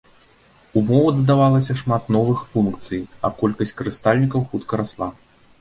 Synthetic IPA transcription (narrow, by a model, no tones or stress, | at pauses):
umɔvɐd̪ɐd̪avalˠɐsʲɐʂmat̪nɔvɨxfunkt̪sɨjɐ̰kɔlʲkɐsʲt͡sʲkɐɾɨst̪alʲnʲikɐwxut̪kɐɾaslˠa